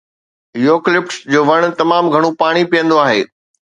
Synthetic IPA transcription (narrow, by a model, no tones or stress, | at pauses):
joːklɪp̚sd͡ʑoːʋɐɽ̃t̪ɐmaːmɡʱɐɽ̃opaːɽ̃ipijə̃nd̪oaːɦḛː